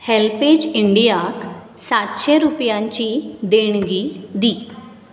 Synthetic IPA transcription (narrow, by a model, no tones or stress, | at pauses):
helped͡ʑiɳɖijak | sat̪ɕeɾupjãɲt͡ɕid̪eɳ̃ɡid̪i